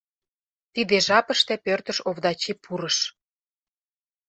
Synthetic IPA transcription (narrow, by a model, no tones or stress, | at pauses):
t̪id̪eʒɑpə̆ʃt̪ĕpørt̪ə̆ʃoβd̪ɑt͡ɕipʰuɾəʃ